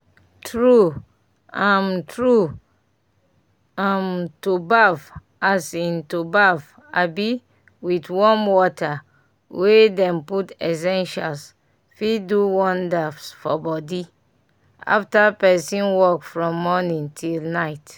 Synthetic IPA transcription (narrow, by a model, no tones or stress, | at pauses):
tɹu | ãmtɹu | ãmtubav | asĩntubav | a̰bi | witwɔ̃mwɔtʰa | wʔedɛ̃mputɛs̬ɛ̃nʃa̰ls | fiduwɔ̃ndafsfɔbɔdi | a̰ftapɛsĩnwɔkfɹɔ̃mːɔnĩŋtʰilnaɪt